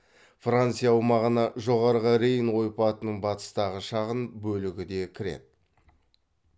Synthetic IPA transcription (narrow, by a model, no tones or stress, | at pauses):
frant̪sɨjawmɑʁənɑʒo̞ʁɑɾʁəɾejənwo̞jpɑt̪ənəɴbɑt̪ə̥st̪ɑʁəʃɑʁənbɵlɪɡʲɪd̪e̞kʲʰɪɾe̞̰t̪̚